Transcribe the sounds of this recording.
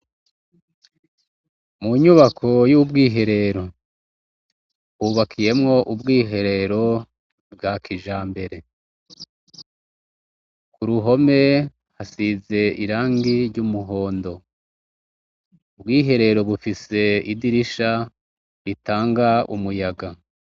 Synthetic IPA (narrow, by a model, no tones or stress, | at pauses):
muɲuβakʰo̞jubɡiːɦe̞ɾe̞ɾo̞ | kuːβakʰije̞mŋo̞ʔubɡiːɦe̞ɾe̞ɾo̞ | bɡakʰiʒaːmbe̞ɾe̞ | kuɾuɦo̞me̞ | hasize̞ʔiɾaːŋɡiɾɟumuɦo̞ːndo̞ | ubɡiːɦe̞ɾe̞ɾo̞βufise̞idiɾiʃa | ɾitaːŋɡaṵmujaɡa